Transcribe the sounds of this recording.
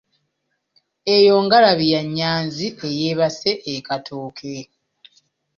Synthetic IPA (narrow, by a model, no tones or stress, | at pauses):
ejo̞ːŋɡalaβijaɲːaːnziʔejeːβase̞ʔːkatʰuːkʰe